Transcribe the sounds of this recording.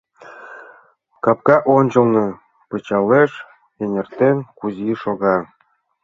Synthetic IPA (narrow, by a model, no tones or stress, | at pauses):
kɑp̚kɑʔonʲt͡ɕɤ̆lˠnɤ | pɤ̆t͡ɕɑleʃ | enʲĕrt̪enkuziʃoɣɑ